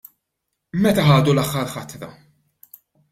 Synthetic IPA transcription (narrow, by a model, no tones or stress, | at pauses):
mɛt̪ɐɦɐːd̪ulɐxːɐɾħɐt̪ɾɐ̰